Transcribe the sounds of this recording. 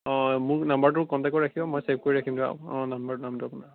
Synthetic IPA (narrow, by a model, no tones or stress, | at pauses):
ɔ̃mʊɹnambaɹt̬ʊkɔntakɔɹakʰibɔmɔjseb̚ʱkoɹiɹakʰimdua̰ɔ̃nambaɹtnamtuapuna